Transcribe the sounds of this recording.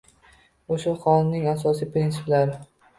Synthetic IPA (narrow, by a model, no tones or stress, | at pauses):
oʃʊlˠχɒlɪnɪŋasɒsijpɾinsɪplaɾ